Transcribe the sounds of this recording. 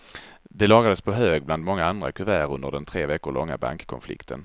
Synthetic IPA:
d̪ɛlɑːɡad̪əspʰɔɦøːɡ̚bland̪mɔŋːaand̪ɾa̰kʰɵvæːɾɵnd̪əɖɛnt̪ʰɾeːvɛkːʊɭɔŋːa̰ba̰ŋkkʰɔnflɪ̰kt̪ʰə̰n

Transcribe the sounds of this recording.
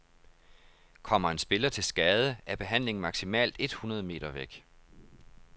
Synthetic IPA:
kʰɒ̽m̰ɐe̝nsb̥e̝lɐt͡sʰe̝lsɡ̥ɛːð̞ˠəæɐb̥e̝ɦæn̰le̝ŋ̩mɑ̈ɡ̥simɛ̰ːld̥e̝d̥hunɐð̞ˠəme̝̰ːd̥ɐʋeɡ̥

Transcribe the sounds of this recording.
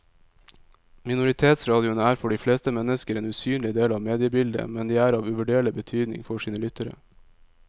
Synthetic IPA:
mɪnʊɾɪt̪ʰeːt̪sɾɑːd̪ɪʊnəæːɾfɔɖiːfleːst̪əmɛnəskəɾeːnʉːsyːnlɪd̪eːlɑːʋmeːd̪ɪəbɪld̪ə̰mɛnd̪iːæːɾɑːʋʉʋəɖeːɭəbət̪ʰyːd̪nɪ̰ŋfɔʂiːnəlʏt̪əɾə̰

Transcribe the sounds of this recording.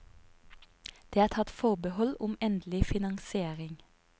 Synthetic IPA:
d̪̥eːæːt̪ʰɑt̪fɔʁbəhɔlʊmɛnd̪l̩ɪfɪnɑŋsɪeːʁɪŋ

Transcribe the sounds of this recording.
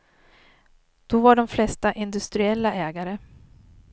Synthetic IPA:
d̪̥ɔvaɖɔmflɛst̪aʔɪnd̪ɵst̪ɾɪɛlːaʔɛːɡaɾə

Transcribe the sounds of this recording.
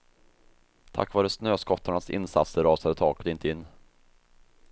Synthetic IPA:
t̪ʰa̰kːvɑːɾəsnøːskɔt̪ʰːaɳasɪ̰nsa̰t̪səɾɾɑːsad̪ət̪ʰɑːkə̥t̪ɪnt̪əɪnː

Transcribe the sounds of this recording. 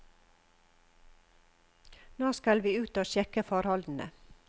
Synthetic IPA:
noːskɑlʋiːʉːt̪oːʃɛkəfɑːɾhɑld̪n̩ə̰

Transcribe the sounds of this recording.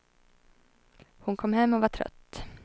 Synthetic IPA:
hʊnkʰɔmːhɛmːɔvaʈʰɾœ̰t̪ː

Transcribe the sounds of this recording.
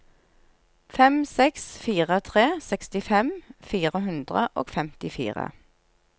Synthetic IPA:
fɛmsɛksfiːʁət̪ʰʁeːsɛkst̪ɪfɛmfiːʁəɦʉnd̪ʁəʔo̰ːɡfɛmt̪ɪfḭːʁə̰

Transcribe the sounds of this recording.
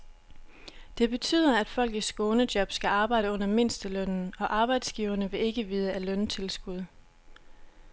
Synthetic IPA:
d̥e̝b̥e̝t͡sʰy̰ːð̞̰ˠɐæd̥fɒ̽l̰ɡ̥ð̩sɡ̥o̝ːnəd̥jɒ̽b̥sɡ̥æɑ̈ːb̥ɑ̈ɪ̰ɾ̥əɔ̽n̰ɐme̝n̰sd̥əlœn̰n̩ɒ̽ʔɑ̈ːb̥ɑ̈ɪd̥sɡ̥iːʊɐnəʋe̝e̝ɡ̥əʋiːð̞ˠəælœnt͡sʰe̝lsɡ̥uð̞ˠ

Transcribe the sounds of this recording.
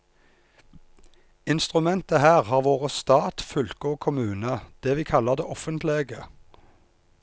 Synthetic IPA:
ɪnst̪ʁʉmɛnt̪əhæːʁhɑːʁʋoːʁəst̪ɑːt̪fʏlkəoːkʰʊmʉːnəd̪̥eːʋiːkʰɑləʁd̪eːʔɔfənt̪leːɡə

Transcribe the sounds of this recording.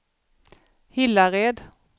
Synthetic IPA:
hɪlːaɾeːd̪

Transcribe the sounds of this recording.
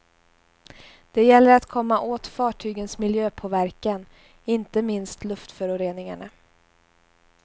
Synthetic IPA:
d̪̥ɛjɛlːəɾat̪kʰɔmːaʔoːt̪fɑːʈʰyːɡənsmɪljøːpʰovæɾkan | ɪnt̪əmɪnst̪lɵft̪fœɾʊɾeːnɪŋa̰ɳa

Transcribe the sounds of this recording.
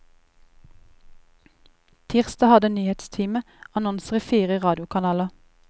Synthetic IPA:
t̪ʰiːʁst̪ɑhɑd̪ənyːhɛt̪st̪ʰiːmə | ɑnɔnsəʁiːfiːʁəʁɑːd̪ɪʊkʰɑnɑːlɑ

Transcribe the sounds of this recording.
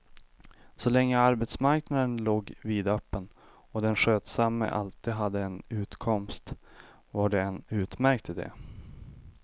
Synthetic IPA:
sɔlɛŋːəaɾbɛt̪smaɾknad̪ənloːɡviːd̪œpːən | ɔd̪ɛnɧøːt̪samːə̰ʔa̰lt̪iːd̪ɦad̪ːəɛnʉ̟ːt̪kʰɔmst̪ | vaɖɛɛnʉ̟ːt̪mæɾk̚t̪ʰɪld̪ɛ̰

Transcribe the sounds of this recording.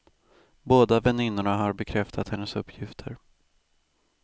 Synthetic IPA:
boːd̪avɛnːɪnːʊɳaɦaɾbɛkʰɾɛft̪ʰat̪hɛnːəsɵpʰːjɪft̪ʰə̰ɾ

